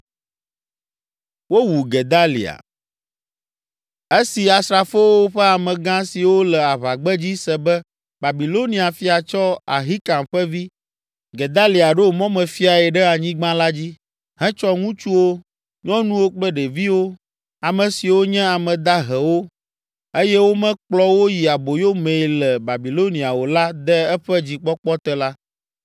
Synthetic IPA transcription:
wo˦wu˨ɡɛ˨d̪a˦lḭ˨a̰˨ | e˦si˨a˨sɾa˨fo˦wo˦ɸɛ˦a˨mɛ̃˨ɡã˦si˨wo˦lɛ˨a˨βa˨ɡ͡bɛ˦d͡ʑi˦sɛ˨bɛ˦ | ba˨bi˨lo˦nĩ˦a˨fi˦a˨t͡ʃɔ˦a̰˨ɦi˦ka˨mɸɛ˦vi˦ | ɡɛ˨d̪a˦li˨a˨ɖo˦mɔ̃˦mɛ̃˨fi˦a˨ɛ˨ɖɛ˦a˨ɲĩ˦ɡ͡bã˦la˦d͡ʑi˦ | ɦɛ̃˦t͡ʃɔ˦ŋũ˦t͡ʃu˦wo˦ | ɲɔ̃˦nũ˦wo˦k͡plɛ˦ɖɛ˨vi˦wo˦ | a˨mɛ̃˨si˨wo˦ɲɛ̃˦a˨mɛ̃˨d̪a˦ɦɛ˨wo˦ | e˦jɛ˦wo˦mɛ̃˦k͡plɔ˦wo˦ji˨a˨bo˨jo˦mɛ̃˨lɛ˨ba˨bi˨lo˦nĩ˨a˨wo˨la˦d̪ɛ˦ɛ˦ɸɛ˦d͡ʑi˨k͡pɔ˦k͡pɔ˦t̪ɛ˦la˦

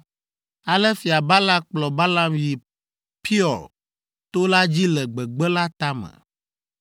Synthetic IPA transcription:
a˨lɛ˦fi˨a˨ba˦la˦k͡plɔ˨ba˦la˦mji˨ | pʰi˦ɔ˨l | t̪o˦la˦d͡ʑi˦lɛ˨ɡ͡bɛ˨ɡ͡bɛ˦la˦t̪a˦mɛ̰˨

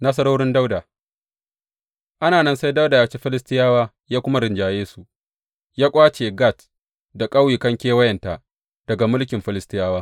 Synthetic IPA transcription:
na˦s̬ɐ˦ɾoː˦ɽɪ˦nda˦wda˨ | ʔa˦naː˨nɐ˦nsa˦jda˦wdaː˨jaː˦t͡ʃe˦ɸɪ˦lɪ˦stɪ˦jaː˦waː˦ | jaː˦kʷʊ˦ma˦ɾɪ˨nd͡ʒaː˨jeː˦su˨ʔ | jaː˦kʷʼaː˦t͡ʃeː˨ɡa˦˨t | da˨kʼɐ˦wjiː˨kɐ˦ŋkʲeː˦wɐ˦jɐ˨nta˨ | d̥ɐ˨ɡa˨mʊ˦lkʲɪ˨mɸɪ˦lɪ˦stɪ˦jaː˦waː˦

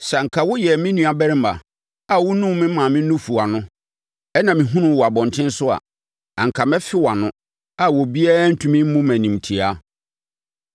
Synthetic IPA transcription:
sɛ˨ŋ̩˨kʰa˨wʊ˦jɛ˨mɪ̃˦nũ˨a˨bɛ˦ɾɪ̃˦ma̰˨ | a˨wʊ˦nũ˦mɪ̃˦mã˨mɪ̃˦nũ˦fu˨a˨nʊ̃˦ | ɛ˦nã˨mĩ˨ɦũ˦nʊ̃˨wɔ˨a˨bɔ̃˨ntʰɪ̃˦n̩˦sʊ˦a̰˨ | ã˨ŋ̩˨kʰa˨mɛ̃˦fɪ˦wa˨nʊ̃˦ | a˨wɔ˨bi˦a˦n̩˦tʰũ˨mĩ˦m̩˦mũ˦mæ̃˨nĩ˨m˨tʰi˨a˦

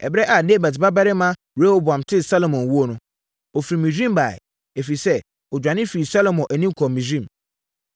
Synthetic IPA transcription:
ɛ̰˨bɾɛ˦ʔa˨ne˦˨bæ˨dba˦ba˦ɾɪ˦mã˦ | ɾe˦ho˦bʊ˨ã˨mtʰɪ˦sa˦lo˨mɔ̃˨nwu˦o˦˨nʊ̃˦ | o˨fi˨ɾi˨mĩ˨d͡ʑᶣĩ˦mba˨ɪ̰˨ | e˨fi˨sɛ˦ | ɔ˨d͡ʑᶣã˨nɪ̃˦fi˨i˨sa˦lo˨mɔ̃˨nʔæ˨nĩ˦kʰɔ˨mĩ˨d͡ʑɾĩ˦m

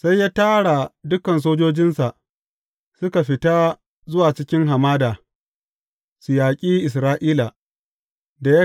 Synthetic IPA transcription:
sa˦jːaː˦taː˦ɽa˨dʊ˦kɐ˨ns̬oː˦d͡ʒoː˦d͡ʒɪ˦nsa˨ʔ | sʊ˦ka˨ɸɪ˦taː˦ | zʊ˦waː˨t͡ʃɪ˦kʲɪ˦ŋɦa˨maː˦daː˨ | sʊ˨jaː˨kʲʼiː˦ʔɪ˨s̬ɾaː˦ʔiː˦la˨ | da˨ja˦

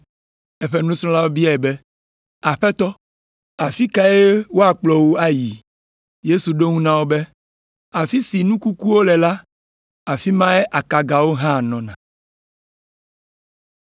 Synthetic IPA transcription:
e˦ɸɛ˦nũ˦sɔ̃˦la˦wo˦bi˦a˨ɛ˨bɛ˦ | a˨ɸɛ˦t̪ɔ˦ | a˨fi˦ka˦e˦wo˦a˨k͡plɔ˨wo˦a˦ji˨ | je˦su˨ɖo˦ŋũ˦nã˨wo˦bɛ˦ | a˨fi˦si˨nũ˦ku˦ku˦wo˦lɛ˨la˦ | a˨fi˦mã˦e˦ʔa˨ka˨ɡa˨wo˦ɦã˦˨nɔ̃˨nã˨

